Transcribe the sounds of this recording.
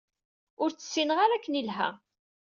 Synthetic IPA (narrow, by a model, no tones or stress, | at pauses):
ʊɾt͡sːə̥sːinəʁaɾækːənilɦæ̰